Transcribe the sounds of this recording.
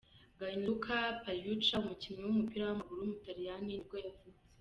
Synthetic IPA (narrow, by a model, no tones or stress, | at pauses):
ɡaɲukʰapajut͡ʃaumucimɲewumupiɾawamaɡuɾumutaɾijaninib̚ɡojavuze